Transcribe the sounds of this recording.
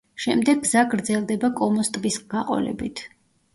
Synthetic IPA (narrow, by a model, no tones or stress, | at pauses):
ʃɛmd̪ɛɡ̚ːzaɡɾd̪zɛlˠd̪ɛbakʼɔmɔst̪ʼvisɡ̥aqʼɔ̰lɛ̰bit̪ʰ